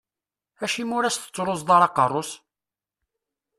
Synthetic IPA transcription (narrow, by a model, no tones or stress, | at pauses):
æʃimʊɾæst̪ə̥t͡sːɾˤosðˤɑɾˤɑqərˤːos